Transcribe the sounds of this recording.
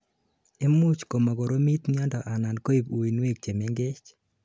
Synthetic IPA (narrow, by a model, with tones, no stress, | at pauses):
e˦mʊ˦t͡ʃko˨ma˨ɡo˨ɾo˦mi˦t̪ɲa˦ndɔ˨ʔa˨na˨nko˦i˨pu˨i˨nwe˦˨k̚t͡ʃe˨me˦ŋɡe˦t͡ʃ